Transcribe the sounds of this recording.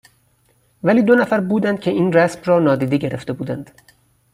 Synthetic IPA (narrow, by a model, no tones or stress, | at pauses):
væliːd̪o̞næfæɾbuːd̪ænd̪̥̚kʲcʰe̞ʔiːnræsmrɒːnɒːd̪iːd̪eɟe̞ɾeft̪e̞buːd̪ænd̪̥